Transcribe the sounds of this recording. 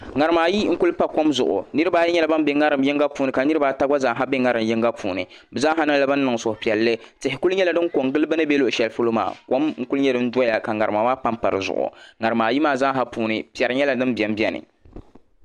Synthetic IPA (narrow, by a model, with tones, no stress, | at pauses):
ŋa˨ɾɨ˨maː˨ji˦ŋ̩˦ku˦lpa˦ko˦mzʊ̰˨ʔʊ̰˨nɨ˦ɾɨ˦baː˦jɛ˦ɲɛ˦la˨˦ba˦m˦bɛ˦ŋa˦ɾɨ˨mjɪ˦ŋɡa˦puː˨˦nɨ˨ka˨nɨ˦ɾɨ˦baː˨˦ta˦ɡa˦zaː˦ɦa˦be˦ŋa˦ɾɨ˨mjɪ˦ŋɡa˦puː˨nɨ̰˨ | bɨ˨za˦ɦa˦nɨ˦ŋla˦ba˦nː˦nɨ˨ŋ˨sʊ˨pi˨ɛ˨lːɨ˦ | tɪ˨hɪ˨ku˦lɲɛ˦la˨dɨ˦ŋko˨ŋɡɨ˦lɨ˦bɨ˦nɨ˦bɛ˦lo˦ʔʃɛ˨lfɨ˦lo˦ma̰ː˨ko˦mŋ̩˦ku˦lɨ˦ɲɛ˦dɨ˦n̩˦da˦ja˨ka˨ŋa˨ɾɨ˨maː˨waː˦pa˦mpa˨ɾɨ̰˨zʊ̰˨ʔʊ̰˨ŋa˨ɾɨ˨maː˨ji˦maː˨za˦ɦa˦puː˨nɨ˨pi˨ɛ˨ɾɨ˨˦ɲɛ˦la˨dɨ˦mbɛ˨m˦bjɛ˦nɨ̰˨